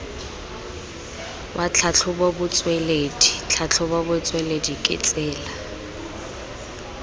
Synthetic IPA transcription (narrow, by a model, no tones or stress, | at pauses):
bat͡ɬʰat͡ɬʰʊbobʊt͡sʼweledit͡ɬʰat͡ɬʰʊbabʊt͡sʼweledikʼɪ̰t͡sʼɪːla